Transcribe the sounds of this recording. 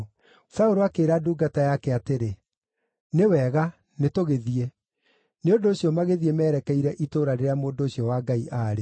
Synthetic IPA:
saoɾoakeːɾaduːɡatajakɛateɾe | newɛɣa | netoɣeðie | neondoːɕiɔmaɣeðiɛmɛːɾɛkɛiɾɛʔitoːɾaɾeɾeamoːndoːɕiɔwaːɡaiʔaːɾe

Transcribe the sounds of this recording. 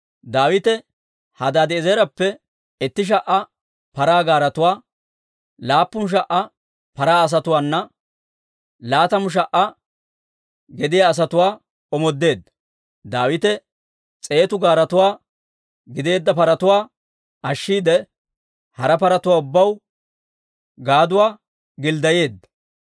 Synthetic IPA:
d̪aːwɪt̪ɛ | hɐd̪aːd̪ɪːzeːɾɐpːɛ | ɛt̪ːɪʃ̬ɐʔɐ | pɐɾaːɡaːɾɐt̪ʊwaː | laːpːʊnʃ̬ɐʔɐ | pɐɾaːɐs̬ɐt̪ʊwaːnːɐ | laːt̪ɐmʊʃ̬ɐʔɐ | ɡɛd̪ɪjaːs̬ɐt̪ʊwaː | ɔmɔd̪ːe̞ːd̪ːɐ | d̪aːwɪt̪ɛ | t͡sʼe̞ːt̪ʊɡaːɾɐt̪ʊwaː | ɡɪd̪e̞ːd̪ːɐpɐɾɐt̪ʊwaː | ʔɐʃːiːd̪ɛ | hɐɾɐpɐɾɐt̪ʊwaːʊbːɐw | ɡaːd̪ʊwaː | ɡɪld̪ɐje̞ːd̪ːɐ̥

